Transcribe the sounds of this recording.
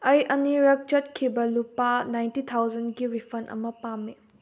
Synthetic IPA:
ɐjʔɐniɾɐk̚t͡ʃɐt̚kʰibɐlupanajntit̪ʰawd͡ʒɐnɡiɾipʰɐnʔɐ̰mɐpamːi

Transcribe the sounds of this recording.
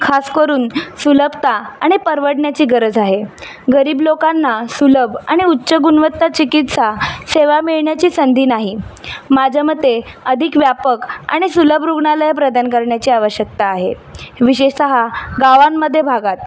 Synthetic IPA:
kʰaskəɾuːnsuləpt̪aaɽ̃ipəɾʋəɽɳjat͡ɕiːɡəɾəd͡zaɦe | ɡəɾiːblokanːasuləbaɽ̃iutːɕəɡunʋət̪ːat͡ɕikit̪saseʋamiɭɳjat͡ɕiːsənd̪ʱiːnaɦimad͡ʑʱamət̪ːe | əd̪ʱikʋjapəka̰ɽ̃isuləbɾuɡɳaləjapɾəd̪ʱankəɾɳjat͡ɕiːaʋəɕjək̚t̪aːɦe | ʋiɕeɕsəɦaɡaʋanːəd̪ʱːjebʱaɡat̪̚

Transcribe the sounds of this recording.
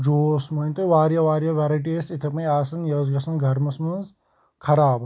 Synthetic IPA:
d͡ʒoːsmɐĩnt̪ɨʋaːɾjɐʋaːɾjɐʋeːɾɐʈ̬isit̪ʰɐpɐ̃jaːsɐnjɐzɡɐsɐnɡʱɐɾmɐsmɐnz | kʰɐɾaːb

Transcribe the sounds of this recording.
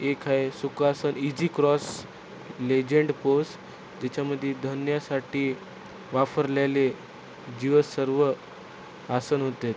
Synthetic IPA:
ekʰaesukasənid͡ʑiːkɾɔs | led͡ʑeɳɖpos | d͡ʑet͡ɕaməd̪ʱːjed̪ʱənjasaʈiː | ʋafəɾljale | d͡ʑiʋəsəɾʋə | asənɦot̪et̪

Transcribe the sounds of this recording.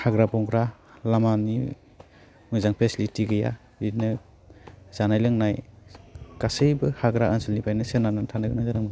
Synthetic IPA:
haɡɾabɔŋɡɾa | lamani | mɯjzaŋpʰesilitiɡɯja̰ | inɯ | z̥anajlɯŋnaj | kasɯjbɯhaɡɾaʔɯnsɯlnipʰajnɯsenanɯntʰanɯɡɯnajzanɯŋ

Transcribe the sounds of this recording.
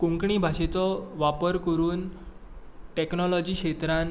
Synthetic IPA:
kũŋkɳibʱaɕet͡sɔʋapəɾkəɾuːn | ʈeknɔlɔd͡ʑiːkɕet̪ɾan

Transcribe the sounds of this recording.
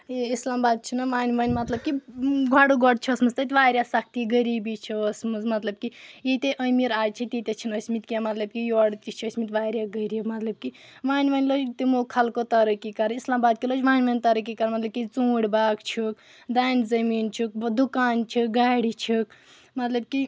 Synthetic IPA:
islaːmbaːd̪̚t͡ʃʰinaʋaːnʋɐnʲmɐt̪lɐb̚kiɡʱɔɽuɡɔɽt͡ʃʰiːsmɐzt̪ət̪ʲʋaːɾʲjasɐk̚t̪iɡəɾibit͡ʃʰiəsmɐzmɐt̪lɐb̚kijit̪eʔəmiɾaːjt͡ʃʰit̪it̪et͡ʃʰinəsmit̪̚kiamɐt̪lɐb̚kijoɽt̪it͡ʃʰiəsmit̪ʋaːɾʲjaɡəɾiimɐt̪lɐb̚ki | ʋaːnʋanlod͡ʒt̪imokʰɐlkot̪ɐɾəkikɐɾislaːmbaːd̪̚kiloːt͡ʃʋaːjnʋanʲt̪ɐɾək̬ikɐɾnmɐt̪lɐbkit͡suːɽbaːkt͡ʃʰuk | d̪ajnzɐmint͡ʃʰuk̚d̪ukaːnt͡ʃʰik̚ɡaɽit͡ʃʰik | mɐt̪lɐb̚ki

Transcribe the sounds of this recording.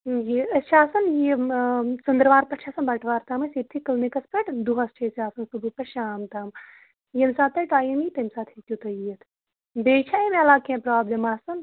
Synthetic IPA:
jiɐt͡ʃʰaːsɐnji | sund̪ɾʋaːɾpɐt͡ʃʰaːsɐnbɐʈʋaːɾt̪aːmɐsit̪ʰikɐlnikɐspɐʈd̪uɦɐsʈʰesaːsɐnsubupɐʃaːmt̪aːm | jemsaːt̪ɐʈaːjimit̪ɐmsaːt̪ʰikʲjut̪ɐjiɐt̪ʰ | beːt͡ʃʰaimeɐlaːkẽpɾaːblʲemaːsɐn

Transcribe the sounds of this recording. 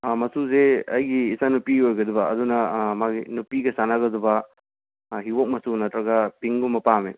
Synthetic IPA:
mɐsuzeɐjɡiːsanupiojɡɐdubɐɐdunɐmaɡinupiɡɐsanaɡɐdubɐ | ɦiwok̚mɐsunɐtɾɐɡɐpiŋɡumɐpame

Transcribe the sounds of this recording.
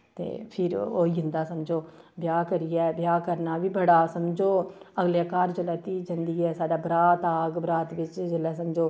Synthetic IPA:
t̪ḛːpʰɪɾo̰ːid͡ʒɪnd̪aːsəmd͡ʒoː | bjaːkəɾijɛːbjaːkəɾnaːʋiːbəɽaːsəmd͡ʒoːəɡlekaːɾd͡ʒəlɛːt̪iːd͡ʒənd̪iːɛːsaːɖaːbɾaːt̪aːɡbɾaːt̪ʋɪt͡ʃd͡ʒəlɛːs̬əmd͡ʒoː

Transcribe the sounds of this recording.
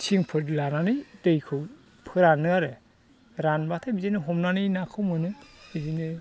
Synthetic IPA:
t͡ʃʰiŋpʰɯɾdlananɯjdɯjkʰɯw | pʰɯɾanːɯaɾɯ | ɾanbatʰajbizinɯɦɔmnanɯjnakʰɯwmɯnɯbizinɯ

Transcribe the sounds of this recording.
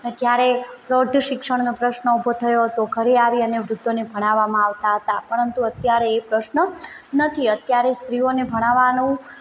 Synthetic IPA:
d͡ʒjaɾeɾoɖʱʃɪkʂəɽnopɾəʃnəubʱot̪ʰəjoɦət̪oɡʱəɾeaʋiəneʋɾʊd̪onebʱəɽ̃aʋːamãaʋt̪aɦət̪apəɾənt̪uət̪jaɾeːpɾəʃnənət̪ʰiət̪jaɾest̪ɾionebʱəɽ̃aʋanũ

